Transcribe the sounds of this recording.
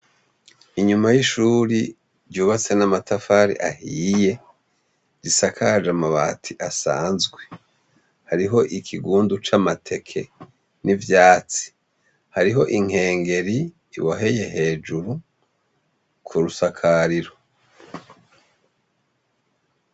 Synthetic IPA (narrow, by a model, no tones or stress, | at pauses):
iɲumajiʃuːɾi | ɾɟuːβat͡se̞namatafaɾḭʔahije̞ | ɾisakʰaʒamaβaːtʰiʔasa̰ːnzɡwe̞ | haɾiɦo̞ʔikʰiɡuːndut͡ʃamatʰe̞kʰe̞̰ | nivjaːt͡si̥ | haɾiɦo̞ʔiŋ̥he̞ːŋɡe̞ɾiː | waɦe̞je̞ɦe̞ːʒuɾu | kʰuɾusakʰaɾiɾo